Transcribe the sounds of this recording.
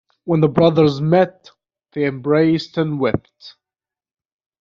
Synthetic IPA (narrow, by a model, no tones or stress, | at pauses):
wə̃nðəbɹʌðə˞zmɛt̪̚ | ðeɪɨ̃mbɹeɪstɨ̃nwɛp̚t̚